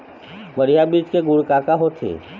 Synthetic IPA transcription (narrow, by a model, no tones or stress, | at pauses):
bəɾijabiːt͡ʃkeɡʊɽkakaɦot̪ʰḛː